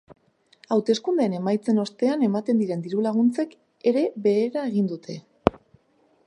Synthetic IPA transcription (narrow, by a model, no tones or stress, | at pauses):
awt̪e̞skund̪e̞ːne̞majt͡se̞no̞st̪e̞ane̞mat̪e̞nd̪iɾe̞nd̪iɾulaɣ̞unt͡se̞k | e̞ɾe̞βe̞ːɾae̞ɣ̞ind̪ut̪ʰe̞